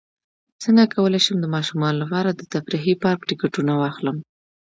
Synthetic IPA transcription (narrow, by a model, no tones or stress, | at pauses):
səŋɡakawəlajʃəmd̪əmɑʃumɑnolapɑɾad̪ət̪afɾixipɑɾkʈɪkaʈunawɑxləm